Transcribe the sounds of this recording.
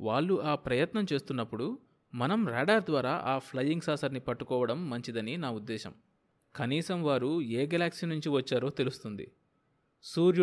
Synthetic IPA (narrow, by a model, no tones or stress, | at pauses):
ʋaːɭːuʔaːpɾɐjɐt̪nɐmt͡ʃe̞ːst̪unːɐpːuɽu | mɐnɐmɾaːɖaɾd̪ʋaːɾaːʔaːpʰlɐjːiŋɡsaːsɐɾnipɐʈːukɔːʋɐɽɐmːɐɲt͡ʃid̪ɐninaːud̪ːɛːʃɐ̰m | kɐniːsɐmʋaːɾueːɡɐlaːksinuɲt͡ʃiʋɐt͡ʃːaːɾo̞ːt̪e̞lust̪und̪ḭ | suːɾj